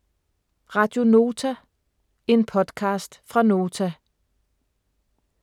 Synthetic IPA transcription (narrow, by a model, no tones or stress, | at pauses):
ʁɑ̈d̥jo̝no̝ːt͡sʰæ | e̝npʰɒ̽d̥kʰɑ̈ːsd̥fʁɑ̈no̝ːt͡sʰæ